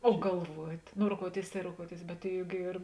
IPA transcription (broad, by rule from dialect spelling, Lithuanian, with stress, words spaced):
oː ɡɐlˠˈʋuɔtʲ noː roːˈkoːʊɔˌtʲeːɪs tɐɪ roːˈkoːʊɔˌtʲeːɪs bʲɛt ˈjʊk ˈiːr